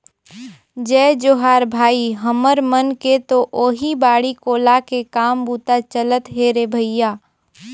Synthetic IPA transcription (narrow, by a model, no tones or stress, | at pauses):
d͡ʒɛːd͡ʒoɦaːɾbʱaːiɦəməɾmənket̪oʔoːɦibaːɽikoːlakekaːmbuːt̪at͡ʃələt̪ɦeːɾebʱəɪjaː